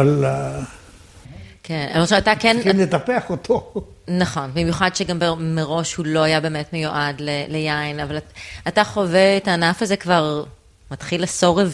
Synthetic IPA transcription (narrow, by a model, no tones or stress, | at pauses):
al | kenaloʃat̪akɛnimlet̪ɐpeaχot̪ʰo | nɐχo̞nbimjuχadʃeɡambemeʁo̞ʃhulo̞ajabe̞ːmetmejuʔadlelejainavalataχoveetaːnafazekvaʁ | mɐtχilaso̞ʁev